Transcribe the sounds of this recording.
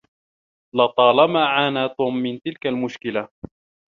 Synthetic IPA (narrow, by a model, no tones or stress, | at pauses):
lɑt̪ˤɑːlamaːʕaːnaːt̪uːmːɪnt̪ɪlkalmʊʃkɪla